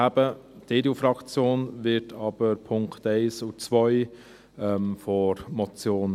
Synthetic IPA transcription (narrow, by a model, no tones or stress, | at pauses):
ab̥əd̥edufɾɑkt͡sjoːnvɪɾtʰɑːb̥əɾpʰʊŋktɛɪsʊt͡sʋœʏ | ɛmfɔɾmɔt͡sjoːn